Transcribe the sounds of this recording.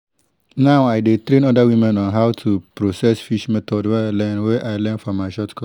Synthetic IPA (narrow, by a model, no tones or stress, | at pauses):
nawajdetɾẽnɔdawĩmɛ̃nɔ̃nɦawtʰupɾosɛsfiʃmɛt̪ʰɔdwɛalɛ̃nwɛʔaɪlɛ̃nfɔmaʃɔtkʰɔ